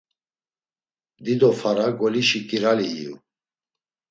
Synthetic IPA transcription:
d̪id̪ɔfʰaɾaɡɔliʃikʼiɾaliḭṵ

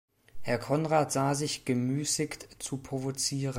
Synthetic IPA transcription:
hɛɐkʰɔnʁaːtz̥aːzɪçɡ̥əmyːsɪktt͡supʁ̥ovot͡siːʁə

